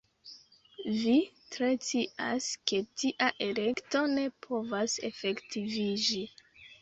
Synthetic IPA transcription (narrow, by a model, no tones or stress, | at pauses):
vi | tɾe̞t͡siʔaske̞tiʔaʔe̞le̞kto̞ne̞pʰo̞vase̞fe̞ktivid͡ʒi